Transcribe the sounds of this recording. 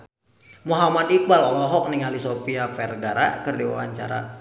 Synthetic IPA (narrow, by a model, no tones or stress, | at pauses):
muɦamadik̚balɔlɔɦɔk̚niŋalisofiafɛrɡaɾa̰kərdiwa̰wa̰ɲt͡ʃa̰ɾa̰